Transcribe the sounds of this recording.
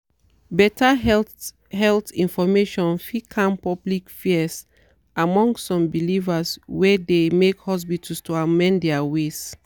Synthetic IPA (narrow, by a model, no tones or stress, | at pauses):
bɛtʰa | hɛltĩnfɔmeʃɔ̃nfikʰãmpɔblikfis | amɔ̃ŋɡssɔ̃mbilivaswɛdemekhɔs̬bitʰustoamɛ̃ndɛawes